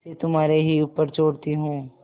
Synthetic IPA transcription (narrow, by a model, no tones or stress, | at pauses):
set̪ʊmɦaːɾeɦiuːpːəɾt͡ʃoːɽt̪iɦõː